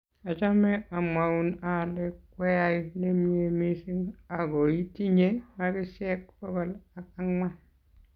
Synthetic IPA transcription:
a˨t͡ʃa˦me˦a˨ma˨u˦˨na˨le˦kwe˦ja˦ine˦mi˦e˨mi˦si˦ŋa˨ɡo˨i˦ti˦ɲe˦ma˦ki˦se˦k̚bɔ˦ɡɔ˦la˨ka˦ŋma˦

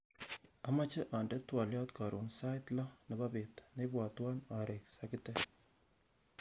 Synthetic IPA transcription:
ama˦t͡ʃɛ˦ʔa˨ndɛ˦twa˨ljɔ˦tka˨ɾu˨nsa˦tlɔ˦nɛ˨babetnebwa˨twa˦na˨ɾʔe˨ksakitɛ

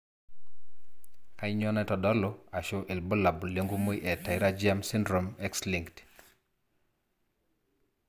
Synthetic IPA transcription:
ka˦ɪɲɔ˦nɛ˦tɔ˨dɔ˦lɔ˦a˨ʃo˦ʔe˨lbo˦la˨bo˨le˦ŋɡu˦mo˦iʔɛ˨ta˨ɪ˦ɾa˦d͡ʒia˦msi˦ndɾo˨mɛ˦ksli˨ŋkt

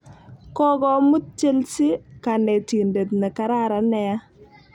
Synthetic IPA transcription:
kɔ˦ɡɔ˨mu˦t̚t͡ʃe˦lsi˦ka˨nɛ˨ti˨nde˨tnɛ˨ka˨ɾa˦ɾa˨nɛ˦a˦

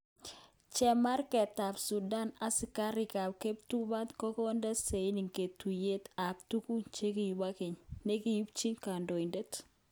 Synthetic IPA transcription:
t͡ʃɛ˦ma˦ɾkɛ˨ta˨bsu˨da˦na˦sɪ˦ka˦ɾɪ˨ka˨bke˦p̚tu˦ba˦tko˦kɔ˦ndɛ˦se˨i˦ni˨ŋke˨tu˨je˦t̪a˨ktu˦ku˦t͡ʃe˦kɪ˦˨ji˨ba˦kɪ˨ɲne˦ki˨ji˦bt͡ʃi˦ŋka˨ndo˨i˨ndɛ˦t

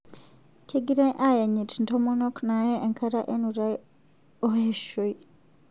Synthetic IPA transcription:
kʰe˦ɡiɾe˦ʔa˦ja˨ɲi˨tinto˦mono˦kna˨jeː˦˨ŋkʰa˦ɾa˦ʔenuɾa˦ | o˦heʃoi

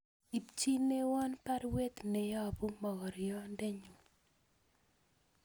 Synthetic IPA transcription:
i˨pt͡ʃi˦ne˦wa˦npa˦ɾwe˦t̪nɛ˨jɔ˦˨bu˦mɔ˨ɡɔ˨ɾjɔ˦ndɛ˦ɲu˨

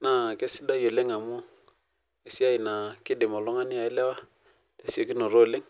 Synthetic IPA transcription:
na˨ke˦sɪ˦da˦jo˨le˦ŋa˨mʊ˦ | e˨si˦a˦ɪ˨na˨kɪ˦dɪ˨mɔ˨lɔ˦ŋa˦nɪ˦a˨ɪ˦lɛ˦wa˦ | le˨si˦o˦˨ki˦no˨ɾo˦˨le˦ŋ

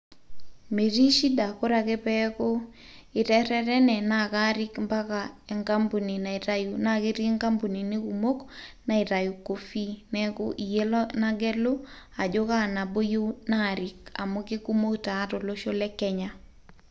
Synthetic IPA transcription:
me˨ɾi˦ʃi˦da˨ko˦ɾa˨ke˦pɛ˦ko˦ | ɪ˨tɛ˦ɾɛ˦ɾɛ˦nɛ˨na˦˨ka˦ɾi˦kmba˦ka˨ɛ˨ŋka˦mbu˨ni˨na˨ɾaju˨na˦kɪ˦ɾɪ˦ŋka˦mbu˨ni˨nɪ˦ku˨mo˦kna˨ɪ˨ɾa˨ju˨ko˨fi˦nɛ˦ko̰˦ʔi˨je˦lɔ˦na˦ɡɛ˦lo˦ | a˨d͡ʒo˦ka˦˨na˨bo˦jo˦na˦˨ɾi˨ka̰˨mo˦kɪ˦ku˦mo˦ktaː˨˦to˨lo˦ʃo˦lɛ˦kɛ˦ɲa˦

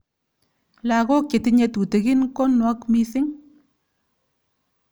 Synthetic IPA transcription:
la˨kɔ˦k̚t͡ʃe˨ti˨ɲe˨˧tu˨te˨ki˦nkɔ˦nwa˦kmi˦θɪ˦ŋ

